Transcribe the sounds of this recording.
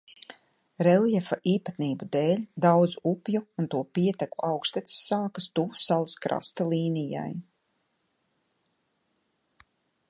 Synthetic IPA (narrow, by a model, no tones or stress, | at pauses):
ɾɛljɛfaʔiːpat̪niːbud̪eːlʲd̪awd̪zuupjuːnt̪uɔpiɛt̪ɛkuʔawkʃt̪ɛt̪i̥sːaːkast̪uvu̥salˠaskɾa̰st̪alˠiːnija̰j